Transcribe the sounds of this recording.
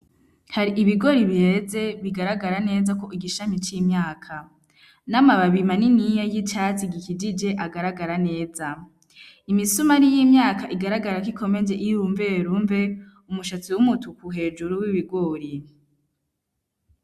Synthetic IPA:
haɾiʔiβiɡo̞ɾiβihe̞ze̞βiɡaɾaɡaɾane̞ːzako̞ʔiɡiʃamit͡ʃimɲaːkʰa | namaβaβimaninijajit͡ʃat͡siɡikid͡ʒid͡ʒe̞ʔaɡaɾaɡaɾane̞ːza | imisumaɾijimɲaːkaʔiɡaɾaɡaɾakikʰo̞me̞nd͡ʒeʔijuɱve̞ɾuɱve̞ | umuʃat͡siwumutʰukuɦe̞ːd͡ʒuɾuwiβiɡo̞ːɾi

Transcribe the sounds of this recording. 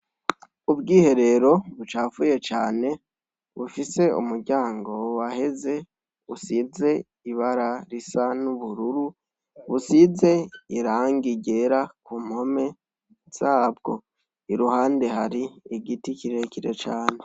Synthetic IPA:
ubɡiːhe̞ɾe̞ɾo̞βut͡ʃaːfuje̞t͡ʃaːne̞ | βufise̞ṵmuɾɟaːŋɡo̞wahe̞ze̞ | βusize̞ | iβaɾaɾisanuβuɾuɾu | βusize̞iɾaːŋɡiɟe̞ɾakuːm̥ho̞me̞ | z̥aːbɡo̞ | iɾuhaːnde̞haɾiiɡitikiɾe̞ciɾet͡ʃaːne̞

